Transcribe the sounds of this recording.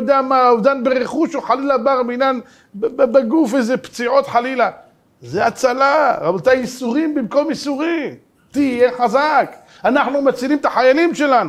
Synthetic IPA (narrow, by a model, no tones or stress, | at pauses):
d̪eamaovd̪anbeʁeχuʃuħalilabʁminan | beɡufejzept͡siʕo̞t̪ħalila | zeat͡salaʁabot̪ajisuʁimbimko̞misuʁim | t̪ijeħazak | anaχnumat͡silimt̪aħajalimʃe̞lanu